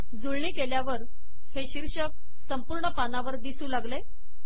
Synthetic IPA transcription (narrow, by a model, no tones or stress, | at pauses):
d͡zuɭɳiːkeljaʋəɾ | heɕiɾɕək̚ | səmpuɾɳəpanaʋəɾd̪isuːlaɡle